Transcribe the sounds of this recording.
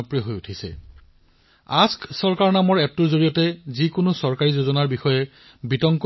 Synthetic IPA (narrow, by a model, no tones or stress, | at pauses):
ɔpɹiɔɦojutʰisɛ̰ | asksɔɹkaɹnamɔɹɛp̚tuɹzoɹijɔtɛzikʊnosɔɹkaɹizozɔnaɹbixɔjɛ | bitɔŋk